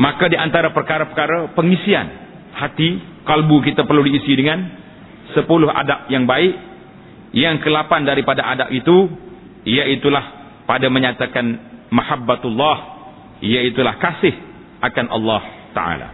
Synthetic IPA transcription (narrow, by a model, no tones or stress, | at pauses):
makadiʔant̪aɾapərkaɾapərkaɾapəŋisia̰n | hat̪ikalbukit̪apərludiːsidəŋan | səpulʊɦa̰dap̚jaŋbaɪʔ | jaŋkəlapandaɾipadaʔada̰pit̪u | ijait̪ulah | padaməɲat̪akanmahabːat̪ulːɑh | ijait̪ulahkasɪh | ʔakanʔɑ̰lːɑht̪a̰ʔa̰la̰